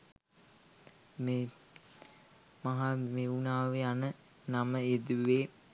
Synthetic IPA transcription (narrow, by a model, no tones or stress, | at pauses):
meː | maɦameunaːʋeanə | naməed̪uʋeː